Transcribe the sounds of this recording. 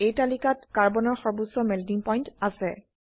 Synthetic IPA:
ejtalikatkaɹbɔnɔɹxɔɹbusɔmɛldiŋpɔjntasɛ

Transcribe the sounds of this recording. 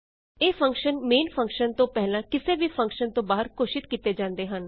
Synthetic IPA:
eːpʰə̃ŋkʃənmeːnpʰə̃ŋkʃənt̪õːpɛɦlãːkɪseːʋiːpʰə̃ŋkʃənt̪õːbaːəɾkoːʃɪt̪kiːt̪eːd͡ʒãːnd̪eːɦən

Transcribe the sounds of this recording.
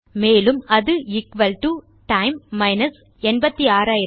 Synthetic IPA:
meːlɯmɐðɯɪkʋɐlʈu | ʈɐɪmːɐɪnɐs | ɛnbɐt̪ːiaːɾaːjɪ

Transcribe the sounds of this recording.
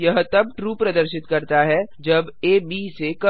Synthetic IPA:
jɐɦt̪ɐb̚ʈɾuːpɾɐd̪əɾʃɪt̪kɐɾt̪aɦɛd͡ʒɐbeːbiːsekɐ

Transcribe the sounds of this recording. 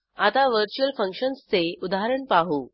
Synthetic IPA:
at̪aʋəɾt͡ɕuəlfəŋkʂənst͡seud̪aɦaɾəɳpaɦu

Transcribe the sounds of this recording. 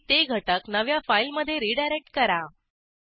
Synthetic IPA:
t̪eɡʱəʈəknəʋjafailməd̪ʱːjeɾiɖajɾek̚ʈkəɾa

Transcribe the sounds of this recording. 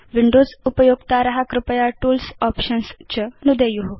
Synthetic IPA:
ʋiɳɖod͡zupəjoɡt̪aɾɐɦakɾupəjaʈuːlsɔpɕənst͡ɕənud̪əjuɦu

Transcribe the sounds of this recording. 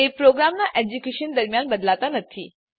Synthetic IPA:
epɾoɡɾamnaʔed͡ʑukeʃənd̪əɾmjanbəd̪lat̪anət̪ʰi

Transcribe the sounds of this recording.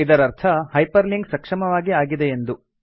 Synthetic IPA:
id̪ɐɾɐɾt̪ʰɐhɐjpɐɾliŋɡsɐkʂɐmɐʋaːɡiaːɡid̪eend̪u

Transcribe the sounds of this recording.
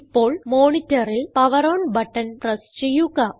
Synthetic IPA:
ipːo̞ːɭmoːɳitːɐɾilpɐʋɐɾoːɳbɐʈːɐnprɐst͡ɕe̞jːuɣɐ

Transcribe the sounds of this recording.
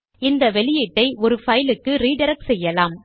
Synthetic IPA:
ɪnd̪ɐʋɛɭɪjɪʈːɐɪʔɔɾɯfɐjlɯkːɯɾiːɖɐɾɐk̚sɛjːɐlaːm

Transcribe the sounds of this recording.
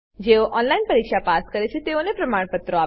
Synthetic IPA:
d͡ʑeʋʔɔnlainpəɾikʂapaskəɾet͡ɕʰet̪eonepɾəmaɽ̃pət̪ɾoa

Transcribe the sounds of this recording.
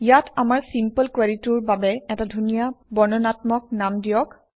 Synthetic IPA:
jatʰamaɹsimpəlkwɛɹituɹbabɛɛtadʱunijabɔɹnɔnatmɔk̚namdijɔk

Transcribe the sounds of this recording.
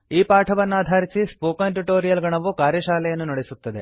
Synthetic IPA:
iːpaːʈʰɐʋɐnːaːd̪ʱaːɾisispoːkɐnʈiʈoːɾijɐlɡɐɳɐʋukaːɾjɐʃaːlɛjɐnːunɐɽesut̪ːɐd̪e̞̰

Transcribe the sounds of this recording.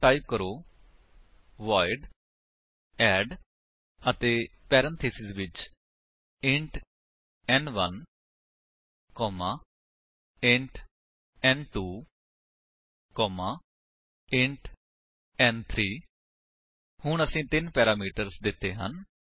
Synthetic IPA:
ʈaːɪp̚kəɾoː | ʋaːɪɖ | ɛːɖ | ət̪eːpɛːɾə̃nt̪ʰeːsɪsʋɪt͡ʃ | ɪ̃ɳʈ | ɛːnʋə̰n | kɔːmaː | ɪ̃ɳʈ | ɛ̃ːnʈuː | kɔːmãː | ɪɳʈ | ɛːnt̪ʰɾiː | hʊɳəsĩːt̪ɪnpɛːɾaːmiːʈəɾsd̪ɪt̪ːeːɦə̰n

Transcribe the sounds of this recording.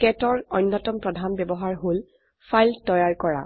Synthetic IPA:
kɛtɔɹɔjnːɔtɔmpɹɔdʱanbɛbɔɦaɹɦol | fajltɔjaɹkɔɹa̰

